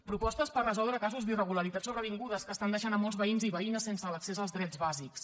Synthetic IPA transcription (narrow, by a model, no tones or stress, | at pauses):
pɾupɔst̪əspərəzɔlˠd̪ɾəkazuzd̪irəɣuləɾit̪at̪suβɾəβ̞iŋɡuðəskəːst̪and̪əʃanəmːɔlˠzβəinziβəinəsːensələksezəlˠzðɾɛd͡zβaziks